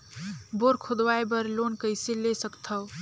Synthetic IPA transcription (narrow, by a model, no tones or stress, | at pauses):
boɾkʰod̪wajbəɾlonkəjsilesəkt̪ʰəw